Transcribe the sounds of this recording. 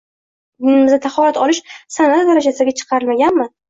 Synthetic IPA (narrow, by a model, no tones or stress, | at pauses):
d̪ɪnɪmɪzat̪ʰaχɒlat̪ɒlɪʃsanat̪d̪aɾad͡ʒasɪɡʲat͡ʃʰɨ̥qʰɑɾɪlmaɡʲanmɪ